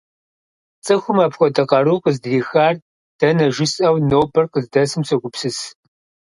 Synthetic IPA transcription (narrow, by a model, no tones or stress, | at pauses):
t͡sʼɨxʷʊmɐpxʷɔdɐqɐɾuːqəzdriːxaːr | d̥ɐnɐʒɪsɐwnoːpʰɐrqəzdɐsɨmsɐɡʷʊpsɨs